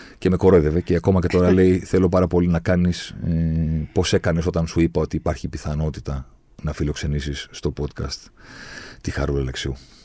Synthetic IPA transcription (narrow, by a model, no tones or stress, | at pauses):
ce̞me̞ko̞ɾoðe̞ve̞ceɐko̞mɐce̞t̪o̞ɾɐle̞jθe̞lo̞pɐɾɐpo̞linɐkɐnis | po̞se̞kɐne̞so̞t̪ɐnsuipɐo̞t̪iːpɐɾçipiθɐno̞t̪it̪ɐ | nɐfilo̞kse̞nisisːt̪o̞po̞t̪kɐ̰st̪ | t̪ixɐɾulɐleksiu